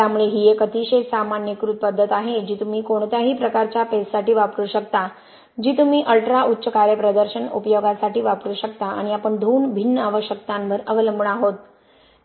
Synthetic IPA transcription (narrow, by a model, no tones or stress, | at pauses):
t̪jamuɭeɦijekət̪iɕesamanjəkɾut̪̚pəd̪ʱːət̪aɦed͡ʑiːt̪um̤iːkoɳ̃t̪jaɦiːpɾəkaɾt͡ɕjapessaʈiːʋapɾuːɕəkt̪a | d͡ʑiːt̪um̤iːʔəlʈɾaʔutːɕəkaɾjəpɾəd̪əɾɕənṵpəjoɡasaʈiːʋapɾuːɕək̚t̪aa̰ɽ̃iapəɳd̪ʱuːnbʱinːəaʋəɕjək̚t̪ãnʋəɾəʋələmbʱəɳaɦot̪̚